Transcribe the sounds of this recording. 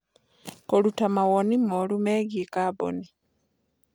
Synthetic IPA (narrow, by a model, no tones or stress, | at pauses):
kolutamawonimolumeːɡikabo̰ni